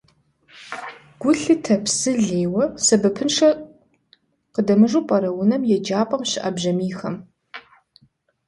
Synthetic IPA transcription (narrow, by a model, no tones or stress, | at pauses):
ɡ̥ʷʊɬɨtʰɐpsɨɮeːwɐsɐbɐpʰɨnʂɐ | qədɐmɨʐupʼɐɾɐwʊnɐmjɛd͡ʒaːpʼɐmɕɪʔɐbʑɐmiːxɐm